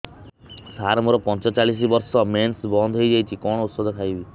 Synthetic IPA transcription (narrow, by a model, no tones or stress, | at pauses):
saɾmuɾɔpɔnt͡ʃɔt͡ʃaɭis̬ibɔɾsɔmensbɔnd̪ʱɦojd͡ʒajt͡ʃʰikɔɽ̃ɔut̪sɔd̪ʱɔkʰajbi